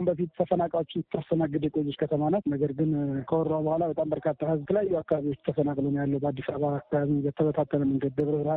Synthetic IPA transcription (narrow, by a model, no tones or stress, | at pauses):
mbəfit̪t̪ʰəfənakʼaot͡ʃːɪnɨt̪ʰːasənaɡɨd̪eɛkʼojːet͡ʃːkʰət̪ʰəmanat̪nəɡəɾɡɨnkʰəwɔɾabəhʷalabət̪ʼambəɾkʰat̪ʰːahɨzt̪ʰəljajːuakːaβaβiot͡ʃːt̪ʰəfənakʼlonjalːəwbəad̪ːisaβaːkːaβaβizət̪ʰəbət̪ʰat̪ʰːələmɨŋɡəd̪ːəβɾəβɾa